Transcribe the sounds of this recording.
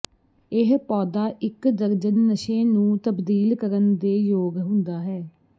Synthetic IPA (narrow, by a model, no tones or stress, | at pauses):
ɪɦpɔːd̪aːʔɪkd̪əɾd͡ʒənːəʃẽːnũːt̪əbd̪iːlkəɾənd̪eːjoːɡɦʊ̃nd̪aːɦɛː